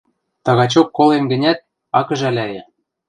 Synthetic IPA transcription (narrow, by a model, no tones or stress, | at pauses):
t̪ɑɣɑt͡ɕokːolenɡɘ̆nʲæt̪̚ | ɑkɤ̆ʒælʲæjĕ